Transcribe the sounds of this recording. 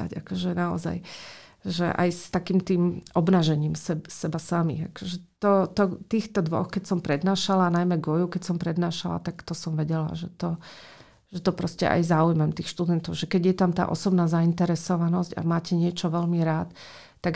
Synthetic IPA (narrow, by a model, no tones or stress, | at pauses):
a̰ɟakɔʒɛnaɔ̰za̰j | ʒɛ̰ʔa̰jst̪akiːmt̪iːmʔɔbnaːʒɛɲiːmsɛbsɛbasamḭa̰kɔʒɛt̪ɔt̪ɔt̪iːxt̪ɔd̪ʋɔ̰xkɛcsɔmpɾɛd̪naːʃalanajmɛɡɔjukɛcsɔmpɾɛd̪naːʃala̰t̪akt̪ɔsɔmʋɛɟɛla̰ʒɛt̪ɔ | ʒɛt̪ɔpɾɔscɛ̰ʔa̰jzaujmɛmt̪iːxʃt̪ud̪ɛnt̪ɔʊʒɛkɛɟjɛt̪amt̪a̰ːʔɔsɔbnaːzaint̪ɛɾɛsɔʋanɔzɟa̰maːcɛɲɪɛt͡ʃɔʋɛlmiɾaːt̪ː | aɡ